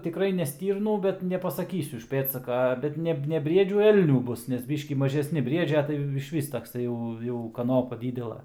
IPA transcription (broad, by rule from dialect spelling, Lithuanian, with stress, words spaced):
tʲɪˈkrɐɪ nʲɛ ˈsʲtʲiːrnuː ˈbʲɛt nʲɛpɐsɐˈkʲiːsʲʊ ɪʃ ˈpʲeːtsɐkɐ ˈbʲɛt nʲɛ nʲɛ ˈbʲrʲiɛd͡ʒʲuː ˈɛlʲnʲuː ˈbʊs nʲɛs ˈbʲiːʃʲkʲiː mɐʒʲɛsʲˈnʲɪ ˈbʲrʲiɛd͡ʒʲɛ tɐɪ ɪʃʲˈʋʲɪs tɐkˈsɐɪ jɛʊ jɛʊ kɐˈnoːpɐ ˈdʲiːdʲɛlˠɐ